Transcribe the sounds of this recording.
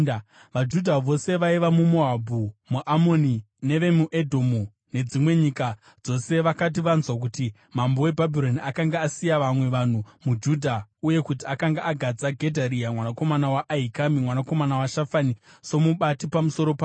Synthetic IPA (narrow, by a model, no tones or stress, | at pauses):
ʋad͡ʒudʱaʋo̞se̞ʋaiʋamumoabʱumuʔamo̞ni | ne̞ʋe̞muʔe̞dʱomu | ne̞d͡zimwe̞ɲika | d͡zo̞se̞ʋakat̬iʋanzwak̬uti | mambo̞we̞bʱabʱiɾo̞niakaŋɡaːsijaʋamwe̞ʋan̤umud͡ʒudʱauje̞kutiakaŋɡaʔaɡʱad͡zaɡʱe̞dʱaɾiamwanakomanawaʔːikamimwanako̞manawaʃafaniso̞muɓatipamuso̞ɾo̞pa